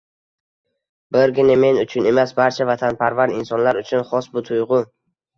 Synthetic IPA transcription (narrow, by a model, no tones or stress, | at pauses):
bɪɾɡʲɪnɪme̞nʊt͡ʃʰʊne̞masbaɾt͡ʃʰavat̪ʰanpʰaɾvaɾɪnsɒnlaɾʊt͡ʃʰʊnχɒsbʊt̪ʰʊjʁʊ